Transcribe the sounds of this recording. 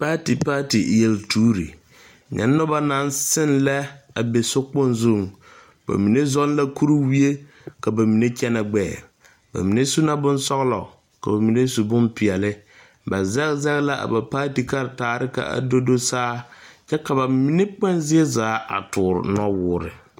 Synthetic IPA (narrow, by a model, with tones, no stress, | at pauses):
pa˦ti˨paː˦ti˨je˨ltʰuː˦ɾḭ˨ | ɲɛ̰˨˦nːʊ˦ba˦na˨˦n˦sɪ˦nla˦a˨be˨sʊ˦k͡pʊ˦nzo˦˨ŋ | ba̰˨mi˨ne˦zɔ˦n˦la˦ku˦ɾu˦wi˦e˦ | ka˨ba˨mi˨ne˦t͡ʃɛ˦na˨ɡ͡bɛː˦˨ | ba̰˨mi˨ne˦su˦na˦bʊ˦nsɔ˦ɣlɔ̰˨ | ka˨ba˨mi˨ne˦su˨bʊ˦mpɪ˨ɛ˨lɪ˦ | ba˨zɛ˦zɛ˦ɣla˦ʔa̰˨ba˨paː˦ti˨ka˦ɾtaː˨ɾɪ˦ka̰˨a̰˨do˦do˦saː˦t͡ʃɛ˦ka˨ba˨mi˦ne˦k͡pɛ˦nzɪ˦ɛ˦zaː˨˦a̰˨tʊː˨ɾɪ̰˨nɔ˦wʊː˦ɾɪ̰˨